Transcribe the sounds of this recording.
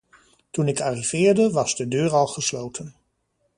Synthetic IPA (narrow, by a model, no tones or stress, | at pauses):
tunɪkaːrivɪːɹdəʋɑzdədøːɹɑlˠχəslowtʰən